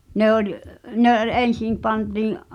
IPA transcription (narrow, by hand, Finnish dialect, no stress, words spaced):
ne olʲ ne ʔol en̞sim pɑntiːʔ